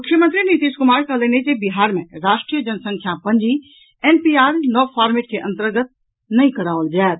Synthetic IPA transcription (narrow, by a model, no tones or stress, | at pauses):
mʊkʃəmə̃nt̪ɾinit̪iːʃkʊmaːɾkaleːnekebɪɦaːɾmḛ̃ɾaːʃʈɾijəd͡ʒənsə̃ŋkʰjapəɲd͡ʒi | eːnpiːaːɾnɔːpʰaːɾmeʈ̚keʔə̃nt̪əɾɡət̪̚ | nɐĩkəɽaːʋəld͡ʒaːt̪